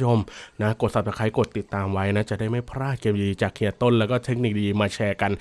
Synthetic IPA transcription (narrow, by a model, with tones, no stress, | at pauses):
jʰo˧mna˦˥ko˨˩t̪̚sa˨˩t̪a˧˥kʰa˧˦˥jko˨˩t̪ːi˨˩t̪ːaː˧mwa˦˥jna˦˥t͡ɕa˨˩ʔdaː˥˩jma˥˩jpʰɾaː˥˩t̪̚kʰeː˧mdiː˧t͡ɕaː˨˩kʰːi˨˩ɐ˧t̪o˥˩nlɛ˦˥wkɔː˥˩t̪ʰe˦˥k̚ni˨˩k̚diː˧maː˧t͡ɕʰɛː˧ka˧n